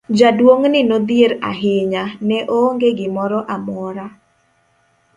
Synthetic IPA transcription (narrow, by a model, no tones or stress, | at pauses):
d͡ʒadwoŋnɪnod̪ijeɾa̰ɦɪɲanɛʔoŋɡeɡɪmɔɾɔʔamɔɾa